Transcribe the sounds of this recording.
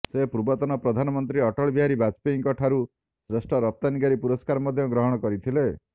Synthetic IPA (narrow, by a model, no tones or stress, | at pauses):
sepuɾbɔt̪ɔnɔpɾɔd̪ʱanɔmɔnt̪ɾiɔʈɔɭɔbiɦaɾibat͡ʃpiiŋkɔʈʰaɾu | sɾesʈɔɾɔp̚t̪aniɡaɾipuɾɔskaɾɔmɔd̪ʱjɔɡɾɔɦɔɽ̃ɔkɔɾit̪ʰile